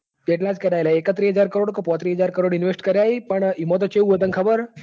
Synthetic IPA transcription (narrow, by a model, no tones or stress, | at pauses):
teʈlat͡skəɾajlaekət̪ɾiɦəd͡zaɾkəɾoɽkɔpɔ̃t̪ɾiɦəd͡zaɾkəɾoɽinʋesʈkəɾaɦipəɳimɔt̪̬ɔt͡ɕeuʋət̪əŋkʰəbəɾ